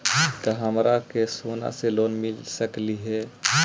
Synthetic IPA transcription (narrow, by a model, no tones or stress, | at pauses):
k̪əɦəmɾakesoːna̰seloːnmɪlsəkliɦɛː